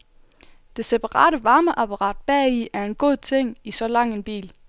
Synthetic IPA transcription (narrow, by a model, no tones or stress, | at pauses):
d̥e̝se̝pʰɑ̈ʁɑ̰̈ːɾəʋɑ̈ːməʔɑpʰɑʁɑ̰̈ːd̥̚b̥ɛ̰ːiæɐe̝nɡ̥o̝ð̰ˠt͡sʰeŋ̰isɒ̽lɑ̈ŋ̰e̝nb̥ḭːl